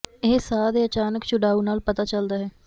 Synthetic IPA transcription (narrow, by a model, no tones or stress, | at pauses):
esaːd̪eːət͡ʃaːnəkt͡ʃʊɖaːuːnaːlpət̪aːt͡ʃəld̪aːɦɛː